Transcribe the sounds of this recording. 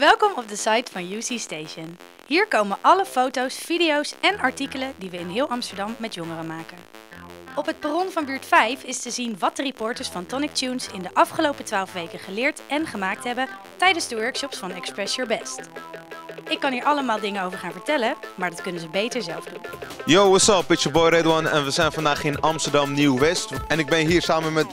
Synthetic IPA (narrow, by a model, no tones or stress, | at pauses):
ʋɛlˠkɔmɔp̚dəsɑjtfɑnjuːsistejʃən | ɦiːɹkowmənʔɑləfowtowsfidiowsɛnɑɹtikələdiʋəɪnɦɪːlˠɑmstəɹdɑmːɛtjɔŋərəmaːkə | ɔpɦət̚parɔnvɑnbyːɹtfɛjfɪstəzinʋɑt̚dəripɔːɹtəɹsfɑntɔnɪk̚tunsɪndəʔɑfχəlowpətʋaːlˠfʋejkəχəlɪːɹtɛnχəmaːk̚tɦɛbə | tɛjdənzdəʋɜɹkʃɔpsfɑnɛkspɹɛsjɔɹbɛst | ɪkːɑniːɹʔɑləmaːlˠdɪŋənowvəɹχaːnvəɹtɛləmaːɹdɑtkɵnənzəbejtəɹzɛlˠvdunjoːəsɑlˠpɪt͡ʃəbɔjɾɛdwɑnɛ̰nʋəzɛjnfɑndaːχɪnɑmstəɹdɑmniwʋɛstɛnɪɡ̚bɪnɦiːɹsaːmənmɛt